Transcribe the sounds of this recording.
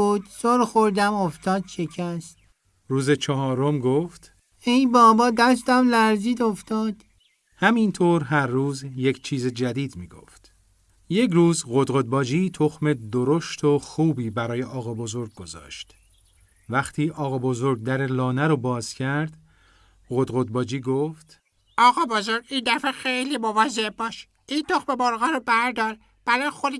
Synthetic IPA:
uːd̪soɾxoɾd̪æmoft̪ʰɒːd̪ʃecʰæst̪̚ | ɾuːzet͡ʃʰɒhɒːɾo̞mɡoːft̪ | ejbɒːbɒːd̪æst̪æmlæɾziːd̪oft̪ɒːd̪̥ | hæmint̪ʰoːɾɦæɾːuːzje̞cʰt͡ʃʰiːzed͡ʒæd̪iːd̪miːɡo̰ft̪ | je̞cruːzɢod̪ɣod̪̚bɒːd͡ʒiːt̪ʰoxme̞d̪oɾoʃt̪ʰo̞xuːbiːbæɾɒːjeʔɒːɣɒːbo̞zo̞ɾɡ̚ɡo̞zɒ̰ːʃt̪ | væxt̪ʰiːʔɒːɣɒːbo̞zo̞ɾɡ̚d̪æɾelɒːnæɾɔːbɒːz̥cʰæɾd̪̥ | ɣod̪ɣo̞d̪̚bɒːd͡ʒiːɡoːft̪ | ʔɒːɣɒːbozoɾɡind̪æfexejlimovɒːzeʔbɒːʃ | ʔiːnt̪ʰoxmeboɾɣɒːɾobæɾd̪ɒːɾ | b̥æɾɒːjexod̪

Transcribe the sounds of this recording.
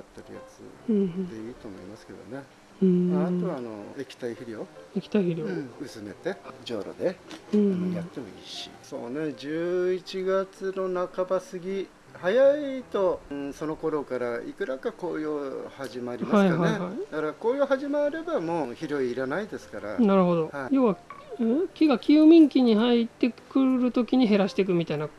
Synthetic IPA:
at̪ːe̞ɾɯ̟̰ja̰t͡sɨ̰d̪e̞iːt̪o̞ːmo̞̰ḭmasɨ̥ked̪o̞̰ne̞ | mat̪o̞βaːno̞̰e̞kʲi̥t̪aiiɾʲio̞ekʲi̥t̪aihiɾʲõɯ̟sɨme̞̰t̪e̞d͡ʑo̞̰ːɾo̞̰d̪e̞nojat̪ːe̞mo̞ḭːɕḭso̞̰ːne̞d͡ʑɨːit͡ɕiɡat͡sɨno̞nakabasɨɡʲi | hajait̪õ̞so̞no̞ko̞ɾo̞kaɾaḭkɯ̟ɾakakoːjohaʑimaɾʲimahaihaeihaid̪akaɾakoːjoɦaʑimaɾe̞bamoːçiɾo̞iːɾanaid̪e̞sɨ̥kaɾa̰naɾɯ̟ɦo̞d̪o̞jo̞ːβaekʲiɡakʲɯːmʲĩŋkʲiɲ̟iɦait̪ːe̞kɯ̟ɾɯ̟t̪o̞kʲiɲ̟iɦe̞ɾaɕi̥t̪e̞k̬ɯ̟mʲit̪aina

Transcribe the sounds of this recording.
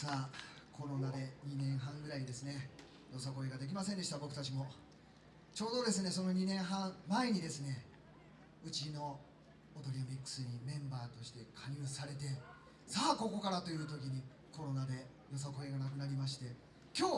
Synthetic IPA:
saːkʰo̞ɾo̞nad̪e̞ɲ̟inẽ̞ɰ̃ɦãŋɡɯ̟ɾaiɲd̪e̞sɨne̞ | jo̞s̬ako̞e̞ɡad̪e̞k̬ʲimasend̪eɕit̪abo̞kɯ̟̥t̪at͡ɕimo̞ | t͡ɕo̞ːd̪o̞d̪e̞s̬ɨne̞so̞no̞ɲ̟inẽ̞ɰ̃ɦãɴmae̞ɲ̟id̪e̞sɨne̞ | ɯ̟t͡ɕino̞ː | t̪o̞ɾʲiamʲikːɯ̥sɨɲ̟imẽ̞mbaːt̪o̞ɕi̥t̪e̞kʰaɲʲɯːsaɾe̞t̪̬e̞ | saːko̞ko̞kaɾat̪o̞jɯ̟ːt̪̬o̞kʲiɲ̟i | ko̞ɾo̞nad̪e̞ | jo̞s̬ako̞e̞ɡanakɯ̟naɾʲimaɕ̬i̥t̪e̞ | kʲo̞ː

